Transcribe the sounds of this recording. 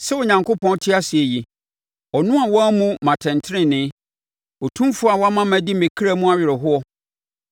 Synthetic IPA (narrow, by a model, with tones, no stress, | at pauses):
sɛ˦ʊ˨ɲã˨ŋkʰo˦pʰɔ̃˦n˦tʰɪ˦a˦sɪ˨e˨ji˨ | ɔ˨nʊ̃˦a˨wɔ˦a˦mũ˦mã˨tʰɛ̃˨ntʰɾɪ̃˦nɪ̃˦ | o˨tʰũ˦mfʊ˦a˨wɔ˦a˦mã˦mæ̃˨di˦mẽ˨kʰi˦ɾa˦mũ˦a˨ɥɪ˨ɾɪ˨ɦʊ˦ɔ˦